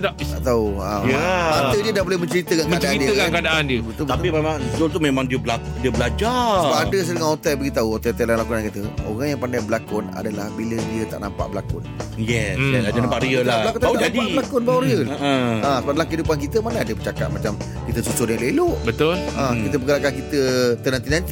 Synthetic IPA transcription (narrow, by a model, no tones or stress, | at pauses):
na | t̪a̰ʔt̪auajaat̪ədiədabolɛhmə̃ɲt͡ʃəɾit̪əkaŋmkə̃adaʔaɾindiəəkaŋkadaʔandiəbət̪ʊlbt̪apimemãŋsdolt̪umemãŋdiəbəlakdiəbəlad͡ʒasəbaadəs̬ədəŋahot̪ɛlbaɡit̪auot̪ɛot̪ɛlalakunankit̪əo̰ɣaŋjaŋpandaŋbəlakʊna̰dalahbilədiət̪aʔna̰mpa̰ʔbəlakʊnjɛsaadənãpaʔɾiəlbaalakut̪ad͡ʒadiablakʊnbawɾiəəəə̃səbap̚dalahkəidupankit̪əmanaadəbət͡ʃaka̰t̪̚mat͡ʃam | kit̪əsusʊdjãŋleloʔbət̪ʊlãkit̪əpəɡəɾakankit̪ət̪ənant̪inant̪i